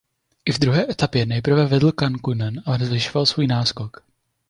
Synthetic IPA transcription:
ʔɪvd̪ɾuɦɛːʔɛt̪apjɛnɛjpr̩vɛvɛdl̩kankunɛnʔalɛnɛzvɪʃovalsvuːjnaːskok

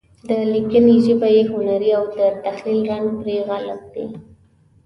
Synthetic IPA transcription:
d̪əlikəneʒəbajehʊnaɾiawd̪ət̪axlilɣanpɾeɣalap̚d̪e

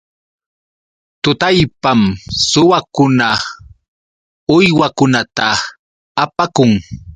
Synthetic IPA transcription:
t̪ʊt̪ajpamsʊwakʊna | ʊjwakʊnat̪aː | pakʊŋ

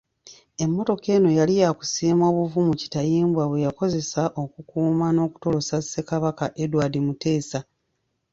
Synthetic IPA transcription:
e̞mːo̞to̞ke̞ːno̞jalijaku̥siːmo̞ːβuvumuci̥tajiːmbwaβwe̞jako̞ze̞saʔo̞kukuːmano̞ːku̥to̞lo̞sase̞kaβakaʔe̞dwaːdimute̞ːsa

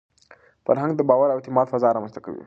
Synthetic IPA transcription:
fa̰ɾɦaŋɡd̪əbɑwaɾawɪt̪ɪmɑd̪fazɑɾɑmanzt̪aka̰wḭ

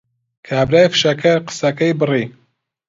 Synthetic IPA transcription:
kʰaːbɾaːjfʃɐkʰɐɾqɨ̥sɐkɐjbɨriː

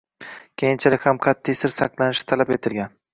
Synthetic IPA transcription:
kʲʰejɪnt͡ʃʰalɪkʲhamqʰɑt̪ʰːijsɪɾsɑqlˠanɪʃɪ̥t̪ʰalape̞t̪ʰɪlɡʲan

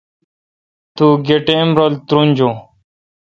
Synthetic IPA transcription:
t̪uːɡeʈẽːmɾoːlt̪ɾũnʲd͡ʑõː

